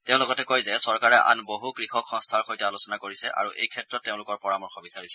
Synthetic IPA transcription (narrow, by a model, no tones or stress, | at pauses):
teʊ̃lʊkɔtɛkojzɛsɔɹkaɹɛʔa̰nboɦukɹixɔkxɔŋstʰaɹxojtɛalosɔnakoɹisɛʔa̰ɹuʔḛjkʰɛtɹɔtːeʊ̃lʊkɔɹpɔɹamɔɹxʰɔbisaɹisɛ